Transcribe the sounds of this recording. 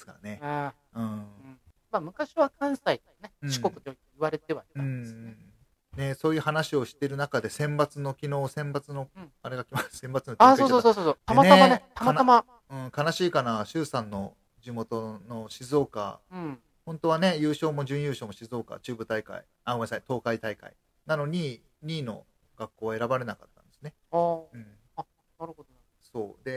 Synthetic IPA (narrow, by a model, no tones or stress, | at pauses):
esɨ̥ka̰ne̞ | ɯ̟̃ː | mamɯ̟kaɕiβakʰãɰ̃sait̪o̥kaneɯ̃ɕi̥kokɯ̟̥t̪ojoeiβaɾe̞t̪e̞βaiaɯ̃ | ne̞so̞ːjɯ̟ːhanaɕio̞ɕi̥t̪e̞ɾɯ̟nakad̪e̞sẽ̞mbat͡sɨno̞kʲino̞ːsẽ̞mbat͡sɨno̞aɾe̞ɡakʲimasɨ̥sẽmbat͡sɨnoaskoosososot̪amateamaet̪amaama | ɯ̟̃ːkanaɕiːkanaɕɨːsãnːo̞ | d͡ʑɨmo̞t̪o̞no̞ɕizo̞ːka̰ | hõ̞nt̪o̞β̞ane̞jɯ̟ːɕo̞ːmo̞ʑɨ̃ɰ̃jɯːɕo̞ːmoɕizo̞ːka̰t͡ɕɨːbɯ̟t̪aika̰ḭ | amasait̪o̞ːkait̪aika̰ḭ | nano̞ɲ̟i | ɲʲiːno̞̰ | ɡ̥akːo̞ːβaeɾabaɾe̞nakat̪ːãnd̪e̞sɨne̞ | ɯ̟̃ɴ | naɾɯ̟od̪o | so̞ːd̪e̞